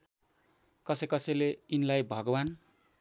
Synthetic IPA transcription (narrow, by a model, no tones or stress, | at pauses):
kʌsʌkʌsʌjleinlajbʱʌɡʌwan